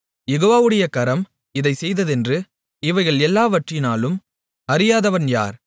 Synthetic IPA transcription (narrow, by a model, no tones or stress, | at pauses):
jɛɣoːʋaːʋɯɽɐjɐkɐɾɐm | ɪðɐɪsɛjðɐðɛndrɯ | ɪʋɐɪɣɐɭɛlːaːʋɐʈrɪnaːlɯm | ɐɾɪjaːðɐʋɐnja̰ːɾ